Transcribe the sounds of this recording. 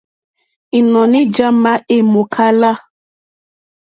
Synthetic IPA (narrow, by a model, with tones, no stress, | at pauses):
ɪ˨nɔ˨nɪ˦d͡ʒa˦ma˦ʔe˦mo˨kʰa˦la˦